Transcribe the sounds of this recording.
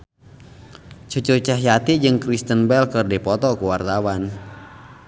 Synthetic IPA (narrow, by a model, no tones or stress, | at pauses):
t͡ʃut͡ʃut͡ʃahjat̪id͡ʒɨŋkɾist̪ənbɛlkɨrdipɔt̪ɔkuwart̪awan